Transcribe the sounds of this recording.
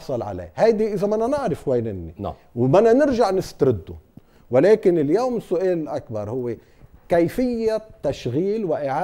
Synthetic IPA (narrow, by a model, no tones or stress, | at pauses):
sˤɑlʕa̰lḛːhajd̪iʔɪzamananɪʕɾɪfweːnɪnːḭ | wmananɪɾʒaʕnɪst̪ɾɪd̪ːʊ̰ | wɪleːkɪnɪljoːmɪsːʊʔeːlɪlʔakbɑɾˤhʊwːe | kajfɪjːat̪ːaʃɣiːlwɪʔɪʕaː